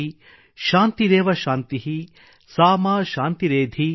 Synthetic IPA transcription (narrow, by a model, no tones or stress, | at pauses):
i | ʃaːnt̪iɾeːʋɐʃaːnt̪iɦi | saːmaːʃaːnt̪iɾeːd̪ʱi